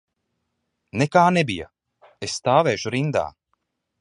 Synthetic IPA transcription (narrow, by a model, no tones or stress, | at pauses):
nekaːnɛbija̰ | esːt̪aːvɛːʃuɾind̪a̰ː